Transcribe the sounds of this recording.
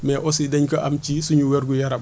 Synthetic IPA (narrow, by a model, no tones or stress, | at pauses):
mɛʔɔsidɛɲkɐʔɐmt͡ʃisuɲuwɛɾɡujɐɾɐb